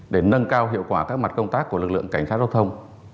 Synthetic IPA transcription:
ɗe˧˩nə˧nkaː˧wɦḭ˧˨əwkwaː˧˩kaː˦˥k̚ma˨˩t̚kə˧wŋ͡mt̪aː˦˥kːu˧˩əlɨ˨˩k̚lɨ̰˧˨ə˨ŋka˧˩jŋ̟saː˦˥za˧˦wt̪ʰə˧wŋ͡m

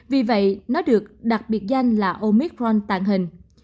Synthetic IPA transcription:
vi˨˩və̰˧˨jnɔ˨˦ɗɨ˨˩ək̚ɗa˨˩k̚ɓi˨˩ət̚za˧jŋ̟laː˨˩ʔo˧mi˦˥k̚ɹɔ˧nt̪a̰ː˧˨ŋɦï˨˩ŋ̟

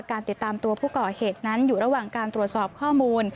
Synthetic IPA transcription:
kaː˧nt̪i˨˩t̪ːaː˧mt̪u˧ɐpʰuː˥˩kɔː˨˩heː˨˩t̪̚na˦˥njuː˨˩ɾa˦˥waː˨˩ŋkaː˧nt̪ɾu˨˩ət̪̚sɔː˨˩p̚kʰɔː˥˩muː˧n

